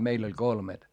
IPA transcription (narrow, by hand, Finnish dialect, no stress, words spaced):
meil olʲ kolmet